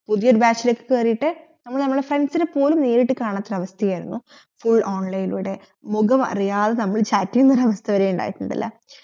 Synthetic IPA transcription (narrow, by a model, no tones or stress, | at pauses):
puðijoɾubaːt͡ɕːilokːɨ̥keːrijiʈːɨnɐmːɐɭnɐmːɭɽefrenɖsinepːo̞ːlumneːɾiʈːɨkaːɳɐt̪ːrɐʋɐst̪ʰɐjaːjɾunːu | fuɭːʔoːnlɐjiluɽe̞ | muɣɐmɐ̰rijaːðenɐmːɐɭt͡ɕaːtːiɐnːɐɾɐʋɐst̪ʰɐʋɐɾeːuɳɖa̰ːjiʈːuɳɖḭlːɐ̰